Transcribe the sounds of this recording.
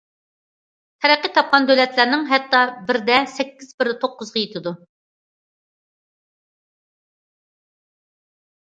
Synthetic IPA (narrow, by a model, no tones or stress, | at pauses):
t̪ʰɛɾæqːət̪ʰɑp̚qʰɑnd̪ølɛt̪ʰlæɾnɪŋɦɛt̪ːɑbɪɾd̪ɛsɛkʲːiz̥bɪɾt̪ʰoqːʊzʁɑjet̪ʰɪd̪u